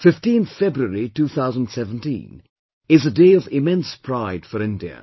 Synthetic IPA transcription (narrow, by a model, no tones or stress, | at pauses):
fɪftĩnθfɛbɾəɾituːθʰaʊzə̃n̩dsɛvə̃ntḭ̃n | ɪzədeɪɔvɪmɛ̃nspʰɾaɪd̥fəɾɪ̃ndiə̰